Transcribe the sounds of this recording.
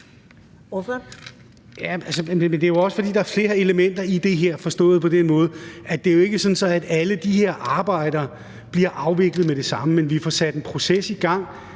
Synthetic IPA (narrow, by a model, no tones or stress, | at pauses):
f | jæælsəmemend̥e̝æjoɒ̽səfɒ̽dḭːd̥ɑ̈æɐfle̝ːɐe̝ləmen̰d̥ɐid̥e̝ɦeɐ̰fɒ̽sd̥ɔ̰̽ːð̩ˠpʰɒ̽d̥enmɔ̽ːð̞̩ˠʔæd̥e̝æjo̝e̝ɡ̥əsɒ̽nsɒ̽æd̥æləd̥iɦe̝ɐ̰ʔɑ̈ːb̥ɑ̈ɪ̰d̥ɐː | b̥liɐʔɑ̈ʊʋe̝ɡ̥lð̩ˠmeɾ̥e̝sɑ̈məmenʋifɒsæd̥enpʰʁo̝sesiɡ̥ɑ̈ŋ̰